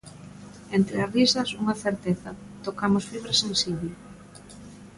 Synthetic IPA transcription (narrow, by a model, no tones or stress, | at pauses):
ent̪ɾɪazrisɐsuŋɐθeɾt̪eθɐ | t̪okamosfiβɾasẽnsiβle